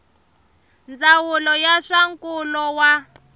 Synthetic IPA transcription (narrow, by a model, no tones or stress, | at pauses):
nd͡zawulɔjaʂaŋkulɔwa